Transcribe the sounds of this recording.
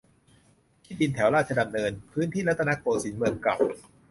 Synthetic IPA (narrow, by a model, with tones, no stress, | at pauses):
t̪ʰiː˥˩bi˧nt̪ʰɛ˩˦wɾaː˥˩t̪̚t͡ɕa˧da˨˩mnɤː˧npʰɯː˦˥nt̪ʰiː˥˩la˥t̪ʰːna˦˥koː˧si˩˦nmɯ˧əŋkla̰˨˩w